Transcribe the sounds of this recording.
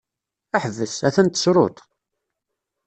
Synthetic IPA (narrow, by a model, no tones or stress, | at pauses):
æħəvːəsæθænt̪ːə̥sɾˤo̰t̪ˤ